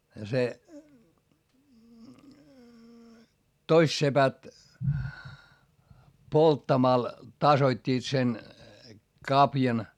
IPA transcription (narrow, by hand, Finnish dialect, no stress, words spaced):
jɑ se toist sepæt poltːɑmɑl tɑsoitʲːiːt sen kɑpjɑn